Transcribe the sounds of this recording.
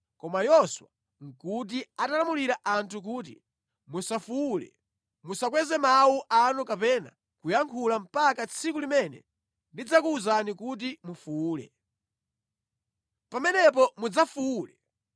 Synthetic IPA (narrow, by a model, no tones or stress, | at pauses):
kɔmajɔswa | ŋ̩kut̬iatalamuliɾaʔantʰuk̬uːt̬ḭ | musafuulɛ̰ | musakwɛzɛmawuʔanukapɛna̰ | kujaŋkʰulam̩pakat͡sʰikulimɛnɛ̰ | ndid͡zakuːzanikut̬imufuːlɛ̰ | pamɛnɛp̬ɔmud͡zafuulɛ